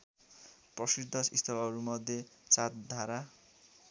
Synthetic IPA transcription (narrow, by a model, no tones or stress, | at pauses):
prʌsid̪ʱːʌsist̪ʰʌbaʌɾumʌd̪ʱjet͡sat̪̚d̪ʱaɾa